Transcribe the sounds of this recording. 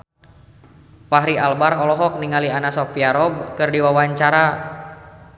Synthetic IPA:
faɦɾialbaɾɔlɔɦɔk̚niŋalianasɔfiaɾɔb̚kɨrdiwawaɲt͡ʃaɾa

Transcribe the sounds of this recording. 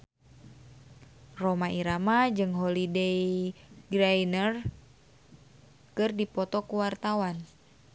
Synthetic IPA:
romaiɾamad͡ʒɨŋɦolidejɡɾajnər | kɨrdipɔt̪ɔkuwart̪awan

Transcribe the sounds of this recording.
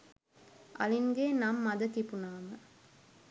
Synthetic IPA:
ʔɐ̰liŋɡeːnamːɐd̪ɐt̪ipunaːmə

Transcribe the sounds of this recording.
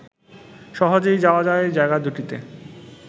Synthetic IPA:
ʃɔɦod͡ʑojd͡ʑaoad͡ʑaed͡ʑaeɡad̪uʈit̪ḛ

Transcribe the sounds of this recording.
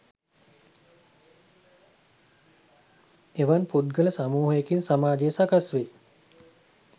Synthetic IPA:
eʋanpud̪̚ɡələsamuːɦəjekinsamaːd͡ʒejəsakasʋe

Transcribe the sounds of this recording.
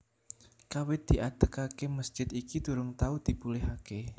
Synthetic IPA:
kawɪt̪̚d̪̥iʔad̪̥əkakeməsd͡ʒ̥ɪt̪ikit̪uɾʊŋt̪aud̪̥ipulɪɦake

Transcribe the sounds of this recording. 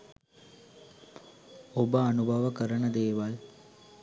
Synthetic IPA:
obəɐnubʱɐʋəkəɾənəd̪eːʋal

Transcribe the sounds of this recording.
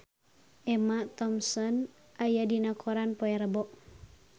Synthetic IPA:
ʔɛmat̪ɔmsɔn | ʔajadinakʰɔɾanpɔɛɾəbɔʔ

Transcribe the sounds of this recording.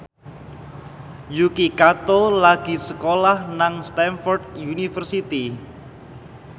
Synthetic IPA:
jukikat̪olaɡ̥i̤səkolahnaŋst̪ɛnfɔrd̚junifərsit̪i

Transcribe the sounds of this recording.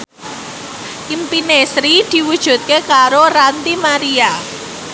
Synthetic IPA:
ʔimpinesɾid̪̥i̤wud̥ʒ̥ṳt̪̚kekaɾoɾant̪imaɾia

